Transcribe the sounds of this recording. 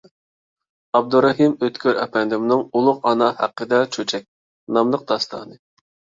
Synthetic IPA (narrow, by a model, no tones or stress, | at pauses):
ɑb̚d̪uɾɑɦimøt̪kʲʰøɾʔɛ̰pʰɛnd̪ɪmnɨɪŋulˠʊqɑnɑhæ̰qːəd̪ɛt͡ʃʰøt͡ʃʰɛk̚ʲ | nɑmlˠəq̚d̪̥ɑst̪ʰɑ̰ːnɨ